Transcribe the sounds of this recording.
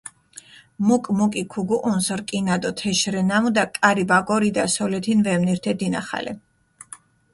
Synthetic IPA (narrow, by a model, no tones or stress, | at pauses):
mukʼmukʼikʰuɡuʔʼunsɾkʼinad̪ɔt̪ʰɛʃɾɛnamud̪akʼaɾibaɡʼɔɾid̪asɔlɛt̪ʰinvɛmniɾt̪ʰɛd̪ina̰χa̰lʔɛ̰